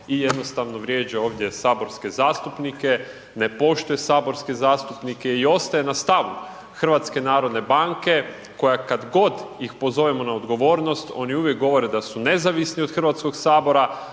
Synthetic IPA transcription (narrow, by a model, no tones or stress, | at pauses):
ije̞d̪no̞st̪aʋno̞ʋɾʲje̞ːd͡ʑao̞ːʋd̪je̞saːbo̞ɾske̞zaːst̪upnike̞ | ne̞po̞ʃt̪uje̞saːbo̞ɾske̞zaːst̪upnike̞io̞st̪ajenast̪aʋu | xr̩ʋat̪ske̞naːɾo̞d̪ne̞baːŋke̞ | ko̞jakad̪ɡo̞d̪jixpo̞zo̞ʋemonaod̪ɡo̞ʋo̞ːɾno̞st̪o̞̰niuʋjek̚ɡo̞ʋo̞ɾed̪asune̞zaʋisnio̞d̪xr̩ʋat̪skoɡsaːbo̞ɾa